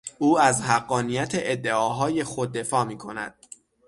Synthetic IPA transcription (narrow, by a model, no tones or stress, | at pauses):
ʔuːæzhæɢːɒːnijæt̪ʰe̞ʔed̪ːe̞ɒːɦɒːje̞xod̪ːe̞fɒːmiːkʰo̞næ̰d̪̥